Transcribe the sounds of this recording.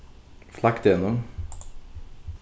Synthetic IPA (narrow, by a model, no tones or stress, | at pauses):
flɑkt̪jɛnːɔm